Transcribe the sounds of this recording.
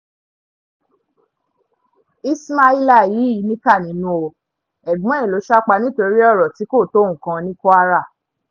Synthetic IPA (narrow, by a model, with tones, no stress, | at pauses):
i˦sma˧i˧la˦˨ji˨˦i˨˦nĩ˦ka˦˨nĩ˨˦nũ˦o˧ | ɛ˨ɡ͡bũ˨˦˨lo˨˦ʃa˦k͡pa˧nĩ˦to˧ɾi˦ɔ˦˨ɾɔ˨ti˨˦ko˦˨to˦˨ũ˨kã˨˧nĩ˦ko˦a˦ɾa˦˨